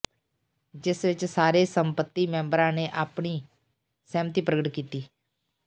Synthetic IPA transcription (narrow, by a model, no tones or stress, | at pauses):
d͡ʒɪsʋɪt͡ʃsaːɾeːsə̃mpət̪ːiːmɛ̃ːmbəɾãːneːʔaːpɳiː | sɛːmət̪iːpɾəɡəʈkiːt̪iː